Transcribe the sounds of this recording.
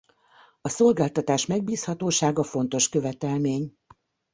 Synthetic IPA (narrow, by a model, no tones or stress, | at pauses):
ɒso̞lɡaːlt̪ɒt̪aːʃmɛɡ̚biːshɒt̪oːʃaːɡɒfo̞n̪t̪o̞ʃkø̞vɛt̪ɛlmeːɲ